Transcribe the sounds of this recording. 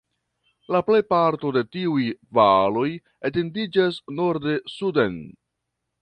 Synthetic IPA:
laple̞jpaɾto̞de̞tiujvalo̞j | ete̞ndid͡ʒasno̞ɾde̞suden

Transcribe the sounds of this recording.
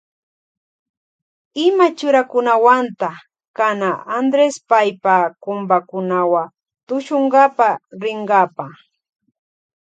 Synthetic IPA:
ɪmat͡ʃʊɾakʊnawant̪a | kanaand̪ɾespajpakʊmbakʊnawa | t̪ʊʃoɴɢapaɾɪɴɡapa

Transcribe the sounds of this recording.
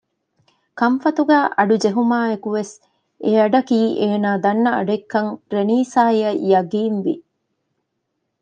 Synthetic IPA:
kɐmfɐt̪uɡæːʔɐɖud͡ʒeɦumaːekuʋes | ʔeɐɖɐkiːʔeːnaːd̪ɐnːɐɐɖekːɐŋɾeniːsaːiɐjɐɡiːnʋḭ

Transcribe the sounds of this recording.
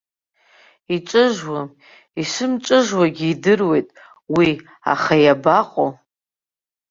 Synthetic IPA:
iʈ͡ʂʼɨʒwa | iʂɨmʈ͡ʂʼɨʒwaɡʲiidɨrwe̞jtʼ | wi | a̰χajabaqʼo

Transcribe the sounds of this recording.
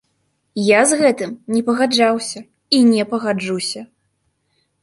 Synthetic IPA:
jazɣɛt̪ɨmnʲɛpɐɣad͡ʐawsʲɐ | inʲɛpɐɣad͡ʐusʲɐ

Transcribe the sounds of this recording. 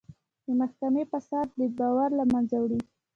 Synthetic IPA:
d̪əmaxkamepasɑt̪̚d̪əbɑwaɾlamanzawɽi

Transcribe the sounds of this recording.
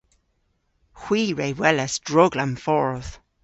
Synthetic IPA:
xw̥iːɹejwɛləsd̥ɹʊɡlamfɔɹθ

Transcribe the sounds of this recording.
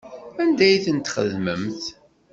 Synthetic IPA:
ænd̪æjθənt̪χə̰ðməmθ

